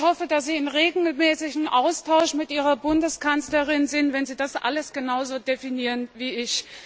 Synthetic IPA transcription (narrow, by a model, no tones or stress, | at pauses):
hɔfədasz̥iːɪnʁeːɡl̩mɛːsɪçŋ̩ʔaʊstʰaʊʃmɪtʔiːʁɐbʊndəskʰant͡sləʁɪnzɪntv̥ɛnziːdasʔa̰ləsɡ̥ənaʊzoːdefiniːʁənviːɪç